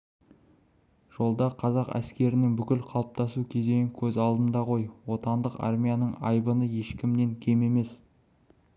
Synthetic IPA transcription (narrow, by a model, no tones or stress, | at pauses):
ʒ̥o̞lˠd̪ɑqʰɑzɑqæ̰skʲe̞ɾɪnɪŋbʏkʲɪlqʰɑlˠəp̚t̪ɑsukʲʰe̞zd̪e̞ɪŋkʲʰɵzɑlˠd̪ənd̪ɑqʰo̞jwo̞t̪ɑnd̪əqɑ̰rmʲijanəɴɑ̰jbənəje̞ʃkʲɪmne̞ŋkʲʰe̞me̞me̞s